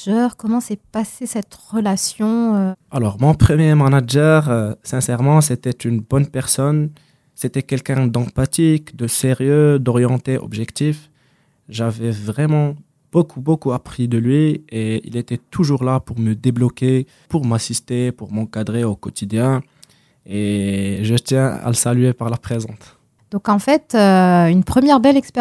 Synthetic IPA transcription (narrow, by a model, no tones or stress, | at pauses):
œːʁkɔmɑ̃sɛpasesɛt̪ʁəlasjɔ̃alɔʁmɔ̃pχəmjemanaʒɛʁsɛ̃sɛʁmɑ̃s̬et̪ɛt̪ynbɔnpɛʁsɔn | set̪ɛkʲɛlkʲɛ̃d̪ɑ̃pat̪ikd̪əseʁjød̪ɔʁjɑ̃t̪eʔɔ̰bʒɛkt̪if | ʒavɛvʁɛmɑ̃ | b̥okʰubokuapχid̪əlɥieḭlet̪ɛt̪ʰuʒuʁlapuʁməd̪eblɔke | puʁmasist̪epuʁmɑ̃kad̪ʁeokɔt̪ʰid̪jɛ̃ | eʒət̪jɛ̃a̰ləsalɥepaʁlapχezɑ̃t̪ | d̪̥ɔ̃kɑ̃fɛt̪øynpχəmjɛʁbɛlɛkspe